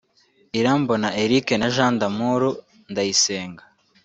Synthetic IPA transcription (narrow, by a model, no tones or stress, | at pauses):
iɾaːmbonaeɾikenaʒaːndamuɾu | ndajiseːŋɡḁ